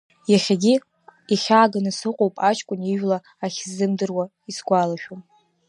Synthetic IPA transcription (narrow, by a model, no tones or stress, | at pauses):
jaχʲaɡʲi | iχʲaːɡanɨsɨqʷʼowpʼat͡ʃʰʼkʷʼʊniʒᶣlaːχʲzɨmdɨrwa | isɡʷalaʃᶣom